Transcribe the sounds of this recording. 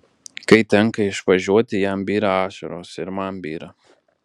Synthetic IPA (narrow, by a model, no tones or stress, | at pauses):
kɐɪt̪ʲɛŋˑkɐɪʃʋɐʒʲuɔt̪ʲɪjæmbʲiːɾɐɑːʃʲɐɾoːsɪɾmɐmbʲiːɾɐ